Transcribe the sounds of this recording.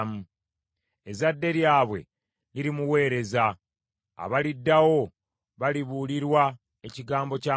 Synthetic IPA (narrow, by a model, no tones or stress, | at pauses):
mu | ezadːe̞ɾjaːβwe̞̰ | niɾimuwe̞ːɾe̞za̰ː | βalidːawo̞ | βaliβuliɾwa | e̞ciɡaːmbo̞ca